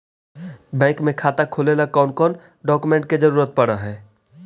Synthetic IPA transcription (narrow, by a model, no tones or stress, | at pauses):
bɛ̃ːkmẽkʰaːt̪akʰoːlelakɔːnkɔːn | ɖɔːkumẽɳʈ̚ked͡ʒəɾuːɾət̪̚pəɽaɦɛː